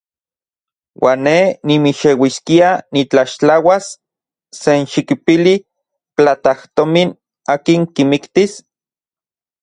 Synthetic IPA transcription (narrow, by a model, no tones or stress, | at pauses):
wʔaːnːenimiʃewiskianit͡ɬaʃt͡ɬawasː | enʃikipili | plat̪aht̪omin | aːkiŋkimikt̪is